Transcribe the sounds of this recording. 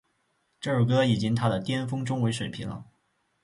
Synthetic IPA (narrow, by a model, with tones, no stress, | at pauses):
ʈ͡ʂɤ˥˧ə˥˩kɤ˥i˨˩t͡ɕi˥ŋt̪ʰa˥d̪ə˨t̪jɛ˥nfɤ˥ŋʈ͡ʂʊ˥ŋwe˧˥ɪʂwe˨˩ɪpʰḭ˧˥nlə̰˧